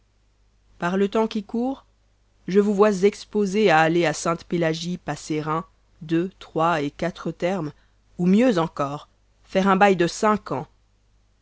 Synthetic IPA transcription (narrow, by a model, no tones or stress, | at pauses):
paʁlət̪ɑ̃kʲikuːʁ | ʒəvuvwazɛkspozeaːleasɛ̃t̪pelaʒipaseʁɛ̃ | d̪øt̪χwaekat̪χət̪ɛʁm | umjøzɑ̃kɔːʁ | fɛʁɛ̃bajd̪əsɛ̃kɑ̃